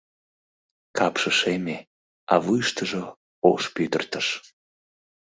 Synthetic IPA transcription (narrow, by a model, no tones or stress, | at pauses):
kɑpʃəʃeme | ɑβujʃt̪əʒo | oʃpyd̪ə̰̆rt̪əʃ